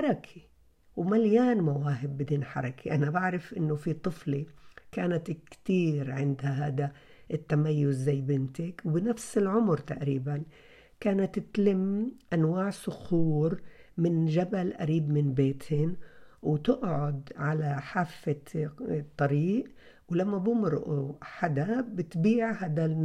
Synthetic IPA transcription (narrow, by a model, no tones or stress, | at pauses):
ɑɾˤɑkʰi | wmaljaːnmawaːɦɪbːɪd̪iːnħɑ̰ɾˤɑkʰiʔanabaʕɾɪfʔɪnːʊfit̪ˤɨflikaːnat̪kt̪iːɾʕɪnd̪haɦaːd̪a | ʔɪt̪ːamajːʊzːajːbɪnt̪ɪkwbɪnafsɪlʕʊmɾt̪aʔɾiːban | kaːnat̪ːɪt̪lɪmʔanwaːʕsʊxuːɾmɪnʒabalʔa̰ɾiːbmɪnbeːt̪hɪnwt̪ɪʔʕʊd̪ʕalaħaːfːa | t̪ˤːɑɾiːʔ | wlamːabʊmɾʔuħad̪abɪt̪biːʕhaːd̪a